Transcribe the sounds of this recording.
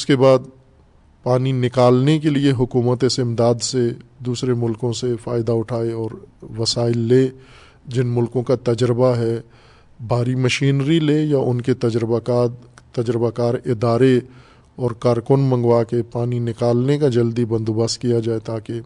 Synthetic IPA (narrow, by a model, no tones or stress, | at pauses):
ʊskebaːd̪ | paːninɪkaːlnekelieɦʊkuːmət̪ɪsɪmd̪aːd̪sed̪uːsɾemʊlkõsefaːɪd̪aʊʈʰaːeɔːɾʋɐsaːɪlːeː | d͡ʒɪnmʊlkõkat̪ɐd͡ʒɾəbaɦɛ | bʱaːɾimɐʃiːnɾileːjaʔʊnket̪ɐd͡ʒɾbaat̪ɐd͡ʒɾəbakaːɾɪd̪aːɾe | ɔːɾkaːɾkʊnmɐ̃ŋɡwakepaːninɪkaːlnekad͡ʒɐld̪ibɐ̃nd̪obəskijad͡ʒaːet̪aːke